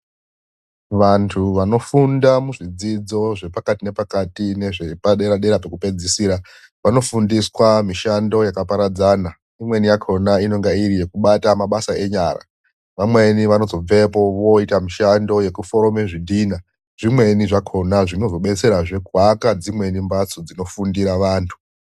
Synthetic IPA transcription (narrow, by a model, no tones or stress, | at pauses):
ʋantʰuʋano̞fundamuʐid͡zid͡zo̞ʐe̞pakatine̞pakatine̞ʐepaɗeɾaɗe̞ɾape̞kupe̞d͡zisiːɾa | ʋano̞fundiswamiʃando̞jakapaɾad͡zaːna | imwe̞nijakʰo̞naino̞ŋɡaiɾije̞kuɓatamaɓasae̞ɲaːɾa̰ | ʋamwe̞niʋano̞zo̞b͡ve̞po̞ʋo̞itamiʃando̞je̞kufo̞ɾo̞meʐidʱiːna | ʐ̥imwe̞niʐakʰo̞naʐino̞zo̞ɓe̞t͡se̞ɾaʐe̞ɡʱwakad͡zimwe̞nimbat͡sod͡zino̞fundiɾaʋaːntʰu̥